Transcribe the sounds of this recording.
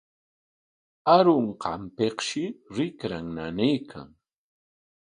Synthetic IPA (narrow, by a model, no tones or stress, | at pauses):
aɾʊɴqɑmpeqʃɪɾɪkɾaŋnanɪjkʰa̰ŋ